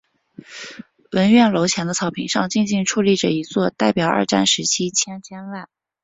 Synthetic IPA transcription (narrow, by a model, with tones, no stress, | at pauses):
wə˧˥nɥɛ˥˩nlo˧˥ʊt͡ɕʰjɛ˧˥nd̪ə˧t͡sʰɑ˧˥ʊpʰi˧˥ŋʂɑ˥˧ŋt͡ɕi˥˧ŋt͡ɕi˥˧ŋʈ͡ʂʰu˥˧li˥˩ʈ͡ʂə˩i˧˥t͡swɔ˥˧t̪a˥˩ɪpjɑ˨˩ʊə̰˥˧ʈ͡ʂa̰˥˩nʂɻ̩˧˥t͡ɕʰi˥t͡ɕʰjɛ˥nt͡ɕʰjɛ˥nwa˥˩n